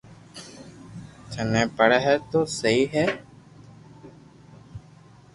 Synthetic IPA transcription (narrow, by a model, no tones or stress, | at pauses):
t͡ʃʰənɛ̃ːpəɽɛːɦɛːt̪oːsəɦiːɦɛː